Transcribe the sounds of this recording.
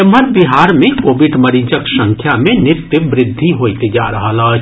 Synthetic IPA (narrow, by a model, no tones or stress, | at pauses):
ɐməɾbiɦaːɾmẽkoːʋɪɖmɐɾiːd͡ʒəksɐ̃ŋkʰjamẽnɪt̪ɪbɾɪd̪ʱːiɦoːit̪ed͡ʒa̰ːɾɐɦala